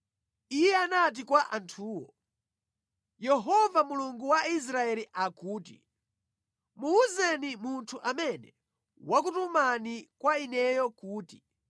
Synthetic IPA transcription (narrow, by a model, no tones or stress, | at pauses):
ijɛanat̬ikwaʔantʰuːwɔ | jɛɦɔvamuluŋɡuwais̬ɾaɛliʔakuːtḭ | muːzɛnimuntʰuʔamɛnɛ | wak̬utumanikwainɛjɔkuːti